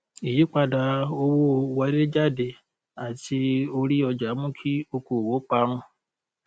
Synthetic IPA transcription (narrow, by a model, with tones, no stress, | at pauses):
i˨ji˨˦k͡pa˧da˧o˧wo˦wɛ˨˧˦de˦d͡ʒa˦˨de˨ | a˨ti˧o˧ɾi˦ɔ˧d͡ʒa˨˦mũ˦kʰi˦o˧ko˨wo˨˦k͡pa˧˦ɾ̃ũ˦